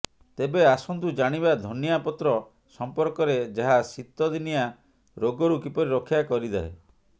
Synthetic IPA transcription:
t̪ebeasɔnt̪ud͡ʒaɽ̃ibad̪ʱɔnjapɔt̪ɾɔ | sɔmpɔɾkɔɾed͡ʒaɦasit̪ːɔd̪inija | ɾoɡɔɾukipɔɾiɾɔkʰijakɔɾid̪eɦḛ

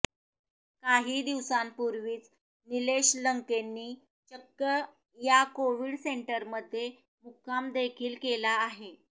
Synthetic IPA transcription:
kaɦiːd̪iʋsampuɾʋiːt͡s | nileɕləŋkenːiː | t͡ɕəkːə | jakoʋiːɽseɳʈəɾməd̪ʱːje | mukʰamd̪ekʰiːlkelaːɦe

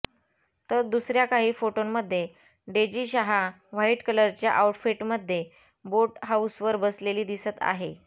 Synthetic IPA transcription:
t̪əɾd̪usɾjakaɦiːfoʈonməd̪ʱːje | ɖed͡ʑiːɕaɦa | ʋ̤aiʈkələɾt͡ɕja̰ʔauʈfiʈməd̪ʱːje | boʈɦausʋəɾbəsleliːd̪isət̪a̰ɦe

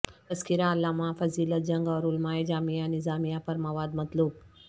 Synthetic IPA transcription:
ɐskiɾaːlːaːmafɐziːlət̪̚d͡ʒɐ̃ŋɡɔːɾʊlmaːed͡ʒaːmijanɪzaːmijapɐɾmɐʋaːd̪mɐt̪luːb̚

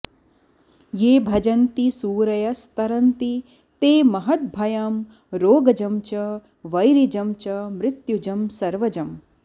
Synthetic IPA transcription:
jeːbʱɐd͡ʒɐnt̪isuːɾɐjɐst̪ɐɾɐnt̪i | t̪eːmɐɦɐt̪̚bʱɐjaːm | ɾoːɡɐd͡ʒɐmt͡ʃɐ | ʋɐjɾid͡ʒɐmt͡ʃɐmɾɪt̪jud͡ʒɐmsɐɾʋɐd͡ʒɐm

